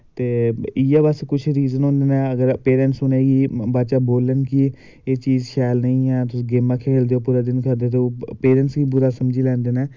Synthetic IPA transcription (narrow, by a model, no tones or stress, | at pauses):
t̪eːɪjaːbəskʊt͡ʃʰɾiːzənɦõːnd̪eːnɛ̃ːəɡəɾpeːɾɛ̃nsʊneːɡiːbaːt͡ʃaːboːlənki | eːt͡ʃiːzʃɛːlnəĩːɛːt̪̬ʊsĩːɡeːmaːkʰeːld̪eoːpuːɾaːd̪ɪnkəɾd̪eːt̪̬eːpeːɾɛ̃ːnsɡiːbʊɾaːsəmd͡ʒiːlɛ̃ːnd̪eːnɛː